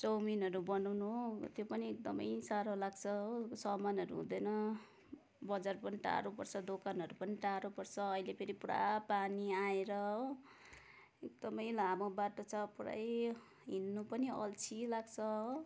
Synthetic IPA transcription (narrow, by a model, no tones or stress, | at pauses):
t͡sʌwminʌɾubʌnawnut̪jopʌniek̚d̪ʌmʌjsaɾolaɡt͡sʰʌosʌmanʌɾuɦṵ̃d̪ʌjnʌ | bʌd͡zarpʌniʈa̰ɾopʌrt͡sʰʌd̪okʰanɦʌɾupʌniʈaɾopʌrt͡sʰʌːjlepʰeɾipuɾa̰paniaeɾʌo | ek̚d̪ʌmʌjlamobaʈʌt͡sʰʌpuɾa̰j | ɦinːupʌniʌ̰lt͡sʰilaɡt͡sʰʌ